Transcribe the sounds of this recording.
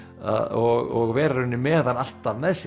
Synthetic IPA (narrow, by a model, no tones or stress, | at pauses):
a̰ðɔɣɔɣvɛːɾaɾʏnːɪmɛːðanal̥t̪avnɛðs